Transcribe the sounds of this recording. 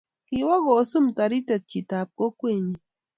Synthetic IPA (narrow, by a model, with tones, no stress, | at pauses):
ki˨wa˦ɣoː˨su˦mt̪a˨ɾi˦t̪e˨t̪̚t͡ʃi˨t̪aː˨b̚ko˦kʷwe˦˨ɲi˨